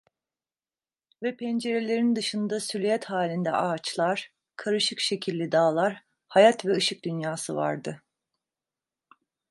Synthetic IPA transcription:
vɛpʰɛnd͡ʒe̞ɾe̞lʲe̞ɾind̪ɯʃɯnd̪asylʲyjɛt̪haːlʲind̪ɛ̰ʔaːt͡ʃlˠaɾ̥ | kʰaɾɯʃɯkʃe̞cʰilʲːid̪aːlˠaɾ | hajat̪vɛɯʃɯk̚d̪ynjaːsɯva̰ɾd̪ɯ

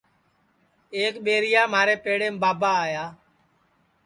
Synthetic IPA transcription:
eːkɓeːɾɪjaːmaːɾeːpeːɽẽːmbaːbaːjaː

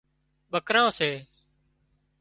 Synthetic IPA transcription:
ɓəkɾãːseː

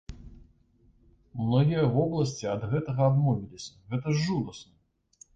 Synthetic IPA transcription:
mnɔɣʲijɐvɔblˠɐsʲt͡sʲiɐd̪ɣɛt̪ɐɣɐad̪mɔvʲilʲisʲɐɣɛt̪ɐʐːud̪ɐsnɐ

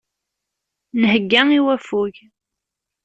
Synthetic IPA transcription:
nəhəɡːæŋiwæfuʝ

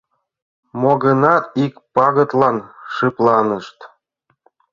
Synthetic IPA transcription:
moɣənɑt̪ikpɑɣə̆t̪lɑnʃɨplˠɑnəʃt̪

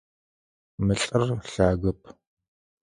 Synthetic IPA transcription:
mɨɬʼɨrɬaːɣɐpʰ

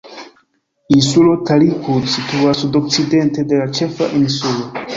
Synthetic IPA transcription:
insulo̞talikudsituasudo̞k̚t͡side̞nte̞de̞lat͡ʃe̞fa̰ʔinsulo

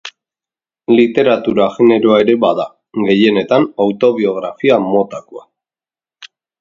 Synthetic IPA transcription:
lit̪e̞ɾat̪uɾaʝene̞ɾo̞ae̞ɾe̞βaða | ɡe̞je̞ne̞t̪anawt̪o̞β̞io̞ɣ̞ɾafiamo̞t̪akoa

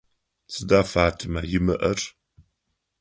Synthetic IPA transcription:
t͡sɨdaːfaːtʰʼɨmajɪmɨʔɐrʼ

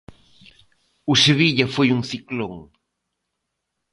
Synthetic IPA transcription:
useβiʎafejuŋθikloŋ

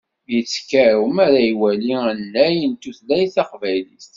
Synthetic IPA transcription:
jət͡sːkæɾumæɾæjwæliənːæjənt̪uθlæjθɑqvæjlist̪

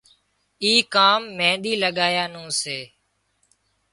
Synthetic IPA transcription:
iːkaːmːẽːɗ̪iːləɠaːjaːnũːseː

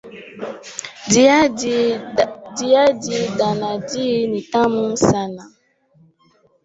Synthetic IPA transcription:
diadidanãdinĩtãmũsanã

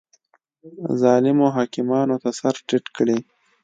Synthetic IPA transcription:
zɑːlɪmoɦɑːkɪmɑːnot̪asaɾʈɪʈkɽe

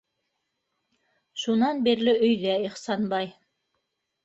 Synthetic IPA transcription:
ʃunɑnbiɾlɘʔɵ̆jðæiχsɑnbɑj

